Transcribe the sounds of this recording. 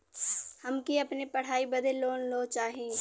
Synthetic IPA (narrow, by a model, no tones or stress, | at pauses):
hɐmkiɐpnepɐɽ̤aːibɐd̪ʱeloːnloːt͡ʃaːɦĩː